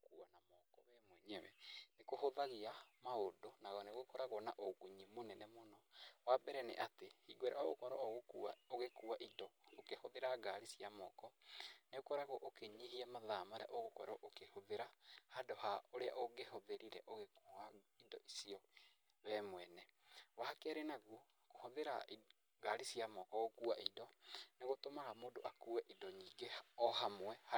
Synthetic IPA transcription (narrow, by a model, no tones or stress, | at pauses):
kuanamɔkɔβɛmwɛɲɛwɛnekohoðaɣiamaodonaɣɔneɣokɔɾaɣɔnaʔokuɲimonɛnɛmonɔwabɛɾɛnḛʔatehiɡwɛɾao̰ɣo̰kɔɾɔoɣokuaoɣekuaʔidɔokehoðeɾaɡaɾisiamɔkɔneɣokɔɾaɣɔʔokeɲiɦiɛmaðamaɾɛ̰ʔoɣokɔɾɔʔokehoðeɾahadohaoɾea̰ʔoɡehoðeɾiɾɛ̰ʔoɣekuaidɔʔisiɔ | βɛmwɛnɛwahakɛɾenaɣwo | kohoðeɾa | ɣaɾisiamɔkɔɣokuaʔidɔneɣotomaɣamoːndoʔakuwɛʔidɔɲiːɡeɔhamwɛha